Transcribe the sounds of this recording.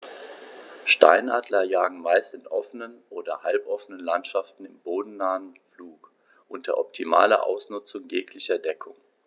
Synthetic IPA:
ʃta̰ɪnʔaːdlɐjaːɡŋ̩maɪstɪnʔɔfənənʔoːdɐhalpʔɔfənənlantʃaftn̩ɪmboːdn̩naːənfluːk | ʔʊntd̥ɐɐʔɔp̚tʰima̰ːlɐ̰ʔa̰ʊsnʊt͡sʊŋjeːkʰlɪçɐdɛkʰʊŋ

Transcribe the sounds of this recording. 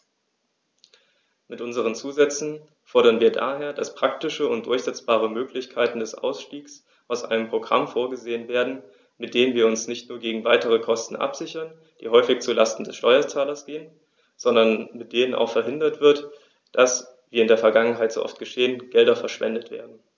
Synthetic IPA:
mɪtʔʊnzəʁ̞ənt͡suːzɛt͡sn̩ | fɔɐɾɐnviːɐda̰ːɦeːɐd̥aspʁ̥aktɪʃəʊntd̥ʊɐçz̥ɛt͡sb̥aːʁ̞əmøːklɪçkʰaɪtn̩dɛsʔa̰ʊsʃtiːks | ʔaʊsʔa̰ɪnəmpʁ̥oɡʁa̰mfoːɐɡəzeːənveːɐdn̩ | mɪt̚d̥eːənviːɐʊnsnɪçtnuːɐɡeːɡŋ̩vaɪtəʁ̞əkʰɔstn̩ʔa̰pz̥ɪçɐn | d̥ḭːɦɔʏfɪçt͡sula̰stn̩dɛsʃtɔʏɐt͡saːlɐsɡ̥eːən | z̥ɔndɐnmɪt̚d̥eːnəna̰ʊxfɛɐɦɪndɐtv̥ɪɐt | d̥as | viːɪndeːɐfɛɐɡaŋənɦaɪto̰ːʔɔ̰ftɡ̥əʃeːənɡ̥ɛldɐfɛɐʃv̥ɛ̰ndətv̥ḛːɐdn̩

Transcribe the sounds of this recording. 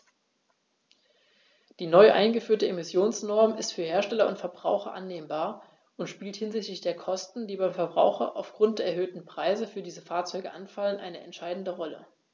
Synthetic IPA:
d̥iːnɔʏʔa̰ɪnɡəfyːɐtəemɪsjoːnsnɔɐmɪstfyːɐheːɐʃtɛlɐʊntfɛɐbʁaʊxɐ̰ʔanːeːmbaːɐ | ʔʊntʃpiːlthɪnzɪçtlɪçd̥eːɐkʰɔstn̩d̥iːbaɪmfɛɐbʁa̰ʊxɐ̰ʔa̰ʊfɡ̥ʁʊnt̚d̥eːɐɛɐɦøːtn̩pʁ̥aɪzəfyːɐdiːzəfaːɐt͡sɔʏɡəʔanfalənʔa̰ɪnəʔɛ̰ntʃaɪdn̩dəʁɔlə̰

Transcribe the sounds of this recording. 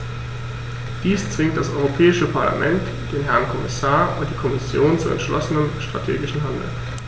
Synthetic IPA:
d̥iːst͡sv̥ɪŋkt̚d̥asʔɔʏʁopʰɛːɪʃəpʰaɐla̰mʔɛ̰nt | d̥eːnɦɛɐnkʰɔmɪsaːɐʊnt̚d̥iːkʰɔmɪsjoːnt͡suɛ̰ntʃlɔ̰sənənʃtʁ̥a̰tʰḛːɡɪʃn̩ɦandl̩

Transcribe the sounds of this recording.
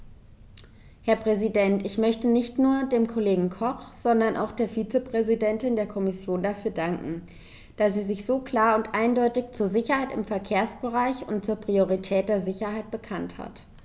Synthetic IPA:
hɛɐpʁ̥ɛzidɛntɪçmœçtənɪçtnuːɐdeːmkʰoleːɡŋ̩kʰɔχz̥ɔndɐnʔa̰ʊxd̥eːɐfiːt͡səpʁ̥ɛzidɛntɪndeːɐkʰɔmɪsjoːndafyːɐdaŋkŋ̩ | d̥asz̥iːzɪçz̥oːkl̥aːɐʊntʔaɪndɔʏtɪçt͡suːɐzɪçɐhaɪtɪ̰mfɛɐkʰeːɐsb̥əʁaɪçʊ̰ntt͡suːɐpʁ̥ioʁitʰɛːt̚d̥eːɐzɪçɐhaɪt̚b̥əkʰantha̰t

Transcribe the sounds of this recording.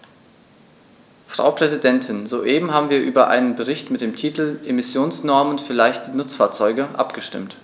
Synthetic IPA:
fʁ̥a̰ʊpʁ̥ɛzidɛntʰɪnzoːʔeːbm̩ɦaːbm̩viːɐʔyːbɐʔa̰ɪnənbəʁɪçtmɪt̚d̥eːmtʰiːtl̩ʔemɪsjoːnsnɔɐmənfyːɐlaɪçtənʊt͡sfaːɐt͡sɔʏɡəʔa̰pɡ̥əʃtɪ̰mt

